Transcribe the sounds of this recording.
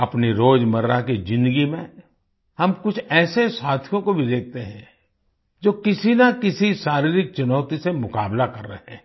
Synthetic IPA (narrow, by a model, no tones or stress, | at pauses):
ɐpniɾoːd͡ʒmɐɾɾakizɪ̃nd̪əɡimẽ | hɐmkʊt͡ʃʰɛːsesaːt̪ʰijõkobʱid̪eːk̚ʰt̪eɦɛ̰̃ | d͡ʒoːkɪsinakɪsiʃaːɾiːɾɪk̚t͡ʃʊnɔːt̪isemʊkaːblakɐɾːəɦɛ̰̃